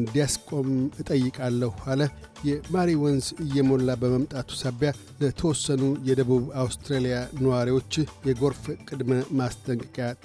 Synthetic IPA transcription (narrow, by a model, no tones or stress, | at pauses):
ɨnd̪ijaskʼo̞mɨt̪ʼəjːɨkʼalːəhhalə | jɛmaɾiwɔnzɨjːɛmo̞lːabəməmt̪ʼat̪ʰu̥saβja | lət̪ʰəwɔsːənujɛd̪əβuβawst̪ʰɾelijanəwaɾiwo̞t͡ʃːjɛɡo̞ɾfkʼɨd̪məmast̪ʼəŋkʼɨkʼja